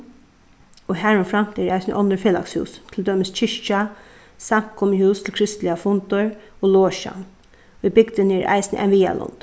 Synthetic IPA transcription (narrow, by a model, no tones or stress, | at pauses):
ɔɦæːɹʊnfɾam̥t̪ɛɾʔaɪsnə̰ʔɔnd̪əfeːla̰kshʉ̰ːst̪ʰɪld̪œːmɪst͡ɕʰɪʂt͡ʃa | saŋ̥kʊmɪhʉːst̪ʰɪlkʰɾɪst̪lɪafʊnt̪ʊɹoːloːʃa̰n | ibɪkd̪ɪnɛɾʔa̰ɪjsnɪ̰ʔa̰ɪnʋiːja̰lʊ̰nt̪